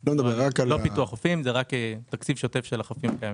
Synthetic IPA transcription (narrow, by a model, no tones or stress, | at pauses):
lomed̪abeʁakallopituaχofimzeʁaket̪akt͡sivʃo̞te̞fʃelaχofimakajami